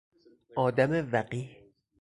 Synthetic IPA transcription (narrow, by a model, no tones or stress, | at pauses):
ʔɒːd̪æmevæɢiːh